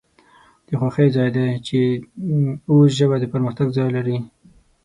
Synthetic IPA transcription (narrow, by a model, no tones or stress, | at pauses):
d̪̥əxwaxəjzɑjd̪at͡ʃe | os̬ʒəβad̪əpəɾməxt̪aɡzɑjlaɾi